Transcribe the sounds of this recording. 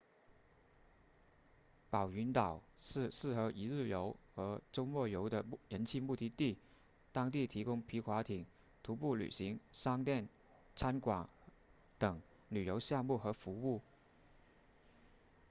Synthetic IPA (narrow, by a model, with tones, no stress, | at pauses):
pɑ˨˩ʊy˧˥nt̪ɑ˨˩˦ʊʂɻ̩˥˧sɻ̩˥˩xɤ˧˥ʔi˧˥ɻ̩˥˩jo˧˥ʊxɤ˧˥ʈ͡ʂʊ˥ŋmɔ˥˩jo˧˥ʊd̪ə˧ɻə˧˥nt͡ɕʰi˥˧mu˥˧t̪i˥˧t̪i˥˩ | t̪ɑ˥ŋt̪i˥˩t̪ʰi˧˥kʊ˥ŋpʰi˧˥kʰwa˧˥t̪ʰi˨˩˦ŋ | t̪ʰu˧˥pu˥˩ly̰˨˩ɕi˧˥ŋʂɑ˥ŋt̪jɛ˥˩n | t͡sʰa˥nkwɑ˨˩ŋ | t̪ɤ˨˩ŋ | ly˨˩jo˧˥ʊɕjɑ˥˧ŋmu˥˩xɤ˧˥fu˧˥u˥˩